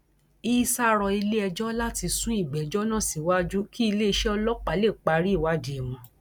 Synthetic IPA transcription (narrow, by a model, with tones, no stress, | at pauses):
iː˦sa˦ɾɔ˧i˧le˦ɛ˧d͡ʒɔ˦la˦ti˧sũ˦i˦˨ɡ͡bɛ˨d͡ʒɔ˦nã˦˨si˨wa˦d͡ʒu˦ki˦i˧le˦i˧ʃɛ˦ɔ˧lɔ˦k͡pa˨˦le˦˨k͡pa˨ɾi˦˨wa˦di˨ɛ˨mɔ̃˧